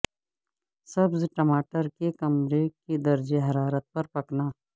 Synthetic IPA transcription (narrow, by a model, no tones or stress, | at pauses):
sɐbzʈɐmaːʈəɾkekɐmɾeked̪ɐɾd͡ʒeɦɐɾaːɾət̪̚pɐɾpɐknaː